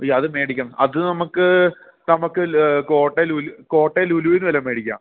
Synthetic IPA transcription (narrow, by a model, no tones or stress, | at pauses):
jɐðɨmeːɽikʲːɐmɐðɨnɐmukːɨ | nɐmukːɨko̞ːʈːeluluko̞ːʈːeluluːʋinːɨʋɐlɐme̞ːɽikʲːa̰ːm